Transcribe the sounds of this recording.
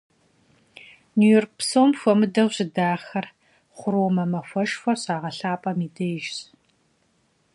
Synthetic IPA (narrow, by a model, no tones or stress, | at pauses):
nujɔːrk̚psoːmfʷɔmɨdɐwɕɪdaːxɐr | χʷʊɾoːmɐmɐfʷɐʃfʷɐɕaːʁɐɬaːpʼɐmiːdɐjʒs